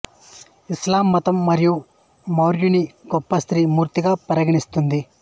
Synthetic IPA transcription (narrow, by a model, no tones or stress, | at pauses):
islaːmːɐt̪ɐmːɐɾiju | mɐwɾjuniɡɔpːɐst̪ɾiːmuːɾt̪iɡaːpɐɾɐɡiɳist̪und̪i